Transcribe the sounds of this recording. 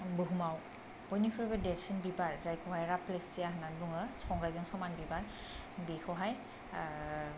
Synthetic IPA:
bɯɦumaw | bɔjnikʰɯɹɔbɛdɛsinbibaɹzajkʰɔɦajɹaplɛsijaɦɯnanbuŋɯsɔŋɡajzɯŋsɔmanbibaɹ | bixʰɔɦaj

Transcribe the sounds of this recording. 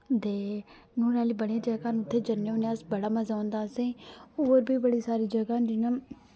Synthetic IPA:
d̪eː | nũːɾaːliːbəɽẽːd͡ʒəɡãːnʊt̪ʰːeːd͡ʒənːeõːneəsbəɽaːməzaːõːnd̪aːsĩːoːɾbiːbəɽiːsaːɾiːd͡ʒəɡãːd͡ʒɪnãː

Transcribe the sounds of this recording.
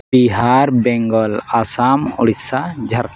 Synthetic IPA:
iɦaɾbɛŋɡɔlasamɔɽisad͡ʒʱaɾk

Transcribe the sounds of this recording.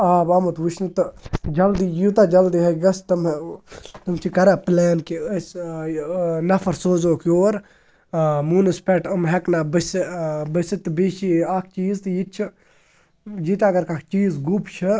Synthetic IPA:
aːbɐmut̪ʋut͡ʃʰnɨt̪ɨd͡ʒɐld̪ijut̪aːd͡ʒɐld̪iɦɐɡɐst̪ɐm | t̪ɨmt͡ʃʰikɐɾaːplaːnkiəs | nɐfʰɐɾsoːzoːkjoːɾ | munɨspʲɛʈɐmɦɐknaːbəsbəsit̪ɨbeːʃiaːkʰt͡ʃiːzt̪ɨjit͡ʃʰi | d͡ʒit̪aːɡɐɾkakt͡ʃiːzɡupt͡ʃʰɨ

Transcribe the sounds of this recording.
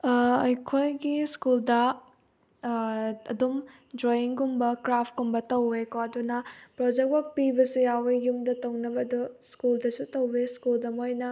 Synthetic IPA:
ɐjkʰojɡiskuldɐ | ɐ̰dum | d͡ʒojiŋɡumbɐkɾapʰkumbɐtɐwekoɐdunɐpɾod͡ʒek̚wɐk̚pibɐsujawejumdɐtɐwnɐbɐduskuldɐsutɐweskuldɐmojnɐ

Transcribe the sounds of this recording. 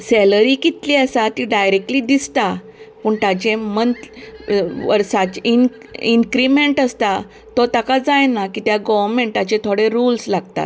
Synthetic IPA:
sɛləɾiːkit̪liːəsat̪iɖajɾek̚ʈliːd̪ist̪a | pəɳt̪at͡ɕẽmənt̪ | ʋə̰ɾsat͡ɕin | iŋkɾimeɳʈəst̪a | t̪ɔt̪akad͡zajnakiːt̪jaɡɔʋəɾmeɳʈ̪̚at͡ɕẽt̪ʰoɽeɾulslaɡt̪a̰t̪

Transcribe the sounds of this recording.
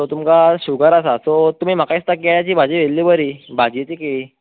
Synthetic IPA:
ot̪umkaɕuɡəɾasasot̪um̤iːm̤akaist̪akeɭjat͡ɕiːbʱad͡ʑiʋelliːbəɾiːbʱad͡ʑet͡ɕikeɭi

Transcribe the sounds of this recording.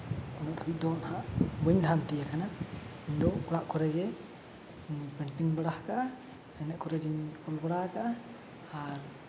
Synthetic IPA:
kɔnɛʔk̪ʰabit̪̚d̪ɔnhaʔbəɲd̪ʱamt̪ɛjakanaiɲd̪ɔkɔɽaʔkɔɾɛɡɛ | ɲpɛɳʈiŋbaɽahkaʔ | ɛnɛʔkɔɾɛd͡ʒɛɲpɔlbaɽahkaʔː | ɾ

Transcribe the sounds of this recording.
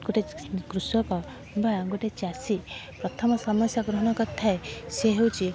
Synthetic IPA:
ɡuʈekɾusjɔpɔ | bʱajaɡuʈet͡ʃiasipɾɔt̪ʰɔmɔsɔmɔsjaɡɾɔɦɔñɔkɔt̪ʰaeseɦewt͡ʃi

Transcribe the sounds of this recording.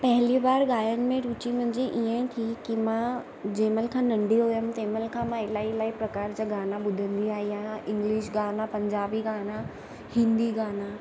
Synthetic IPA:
pɐɦɪliʋaːɾɡaːjənɪ̆mẽɾuːt͡ɕimʊ̃ɦɲd͡ʑeʔiə̃t̪ʰikimã | d͡ʑẽːməlkʰãːnɐ̃ɳɖiɦoːjəmt̪eːməlkʰãːmãɪlaːilaːipɾɐkaːɾd͡ʑaːɡaːnaɓʊd̪ʱə̃nd̪iaːɦijãɪ̃ŋɡliʃɡaːnapɐ̃ɲd͡ʑaːbiɡaːna | hɪ̃nd̪iɡaːna

